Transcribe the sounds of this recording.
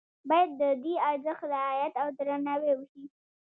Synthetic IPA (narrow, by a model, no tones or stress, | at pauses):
bɑjad̪ːəd̪iaɾzəxt̪lɪaajat̪awd̪ɾanɑwewəʃi